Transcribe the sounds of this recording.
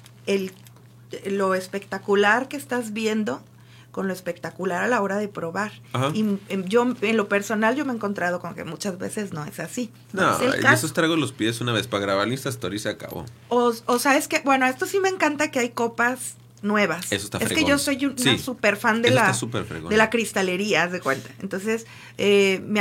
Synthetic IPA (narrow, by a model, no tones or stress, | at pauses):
el | lo̞espe̞kt̪akulaɾke̞ːst̪azβje̞nd̪o̞ | ko̞nlo̞espe̞k̚t̪akulaɾalao̞ɾaðe̞pɾo̞βaɾahaiʝo̞enlo̞pe̞ɾso̞nalʝo̞meeŋko̞nt̪ɾað̞o̞komokḛmut͡ʃazβe̞̰se̞zno̞e̞̰sasi | no̰elkesost̪ɾaɣolospjesunaβespaɣɾaβaɾlĩst̪ast̪oɾjiseaka̰βo̰ | ososeae̞ske̞bwe̞no̞e̞st̪o̞sime̞ːŋkant̪ake̞ajko̞paz | nwe̞β̞asesoe̥st̪aefsɾekeʝo̞so̞jusisupe̞ɾfand̪elaasupeɾfɾḛɣo̰d̪e̞lakɾist̪ale̞ɾiazekwent̪ḁent̪o̞nse̞s | em